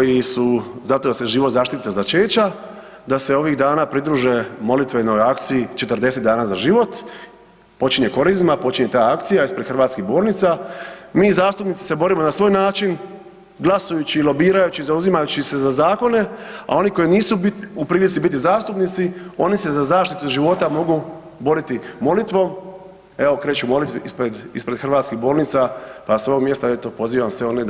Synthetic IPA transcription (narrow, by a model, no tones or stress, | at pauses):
kojisuzat̪od̪ase̞ʒiːʋo̞t̪zaːʃt̪it̪azat͡ʃeːt͡ɕa | d̪ase̞o̞ʋiɣd̪aːnapɾid̪ɾuːʒemo̞lit̪ʋeno̞jakt̪siːt͡ʃe̞t̪ərd̪e̞set̪d̪aːnaːzaʒiʋo̞t̪ | po̞t͡ʃiɲe̞ko̞ɾizmapo̞t͡ɕiɲe̞t̪aːakt̪sijaispɾe̞d̪xr̩ʋaːt̪skiɣbo̞ːɾnit̪samiːzaːst̪upnit̪si̥se̞bo̞ɾimo̞nasʋo̞ːjnaːt͡ʃin | ɡlˠasujut͡ɕiːlˠo̞biːɾajut͡ɕizauzimajut͡ɕise̞zazaːko̞ne̞a̰o̞niko̞jiniːsuupɾiːlit̪sibit̪ːizaːst̪upnit̪sio̞nise̞zazaːʃt̪it̪uʒiʋo̞t̪amo̞ɡu | bo̞ɾit̪imo̞lit̪ʋo̞ | e̞o̞kɾe̞ːt͡ɕumo̞lit̪ʋeispɾed̪ḭspɾe̥xr̩ʋaːt̪skiɣbo̞ːlnit̪sapasʋoːɡmje̞st̪aet̪opo̞ziːʋamsʋeo̞ne